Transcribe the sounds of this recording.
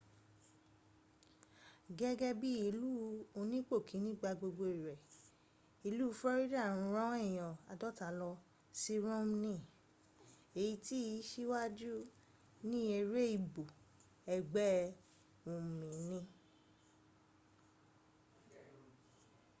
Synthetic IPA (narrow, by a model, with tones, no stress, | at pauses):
ɡɛ˦ɡɛ˦bi˦i˧lu˦o˧nĩ˦k͡po˦˨kʰĩ˨˦nĩ˦ɡ͡ba˧ɡ͡bo˧ɡ͡bo˧i˨ɾɛ˨ | i˧lu˦˧fɛ˦ɾi˦da˦˨ɾ̃ũ˧ɾã˦ɛ˦˨j̃ɔ̃˨a˨dɔ˦ta˨˦lɔ˧ | si˦ɾo˦m˦nĩ˦˨ | e˨ji˧ti˦˨˧ʃi˦wa˦d͡ʒu˦ | nĩ˦e˧ɾe˦i˧˨bo˨ | ɛ˨ɡ͡bɛ˦ | õ˨mĩ˨˦nĩ˧